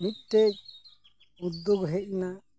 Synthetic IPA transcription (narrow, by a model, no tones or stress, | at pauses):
mit̪̚ʈɛc̚ | ud̪ːɔɡɦɛc̚na